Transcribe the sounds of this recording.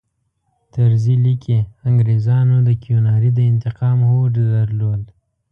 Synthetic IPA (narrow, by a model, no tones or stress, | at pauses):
t̪əɾzilikʰeaŋɡɾezɑnod̪əkionɑɾid̪əɪnt̪ɪqɑmhoɖd̪əɾlol